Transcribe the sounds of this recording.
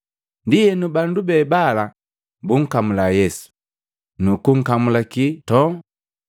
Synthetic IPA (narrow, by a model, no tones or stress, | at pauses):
ndijɛnubandubɛbala | buŋ̩kamulajɛsu̥ | nukuŋ̩kamulakitɔ